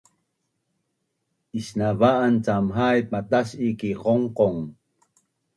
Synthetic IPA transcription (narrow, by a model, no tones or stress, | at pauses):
ʔisnavaʔant͡samɦajpat̪aɕikiʁoŋqoŋ